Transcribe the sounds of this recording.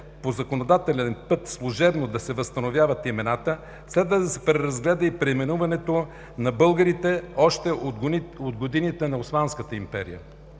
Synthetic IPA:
pozɐkonod̪at̪ɛlɛnpɤt̪slˠʊʒɛbnod̪ɐsɛvɐst̪ɐnovʲjavət̪imɛnat̪ə | slɛd̪vəd̪ɐsɛ̥pɾɛɾɐzɡlɛd̪əipɾɛmɛnuvɐnɛt̪o | nɐbɤlˠɡəɾit̪ɛɔʃt̪ɛ | od̪ɡod̪init̪ɛnɐosmanskət̪əimpɛɾḭjə̰

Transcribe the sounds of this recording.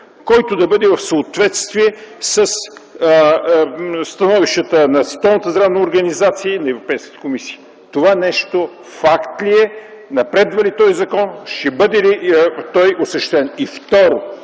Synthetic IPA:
kɔjt̪od̪ɐbɤd̪ɛvɐfsəot̪vɛt̪st̪viɛsəs | st̪ɐnɔviʃt̪ət̪ənɐt̪st̪ɔlˠnət̪əzd̪ɾavnəoɾɡɐnizat̪siəinɐɛvɾopɛjskə̥t̪ə̥komisiə | t̪ovanɛʃt̪o | fakt̪liɛ | nɐpɾɛd̪vɐlit̪ɔjzɐkɔnʃɛbɤd̪ɛlit̪ɔjosɐʃt̪ɛnift̪ɔɾo

